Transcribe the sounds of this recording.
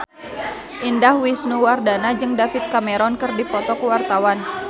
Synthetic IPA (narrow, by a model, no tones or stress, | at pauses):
ʔindahwisnuwardanad͡ʒɨŋdafit̪̚kamɛɾɔnkɨrdipɔt̪ɔkuwart̪awan